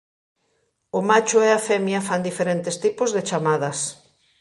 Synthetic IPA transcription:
omat͡ʃʊɛafɛmjɐfand̪ifeɾent̪est̪ipozðet͡ʃamað̞ɐs

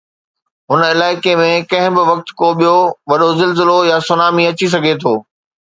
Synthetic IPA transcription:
ɦʊnɪlaːɪkemẽkɐ̃ɦɪ̃bɪʋɐk̚t̪koɓijoʋɐɗozɪlzɪlojasʊnaːmiɐt͡ɕis̬ɐɡʱet̪ʰoː

